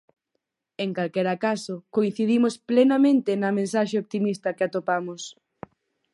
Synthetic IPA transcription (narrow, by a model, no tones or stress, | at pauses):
eŋkalkɛɾakasʊkoin̟θiðimosplenamẽnt̪ɪnɐmẽnsaʃeopt̪imist̪ɐkeat̪opamʊs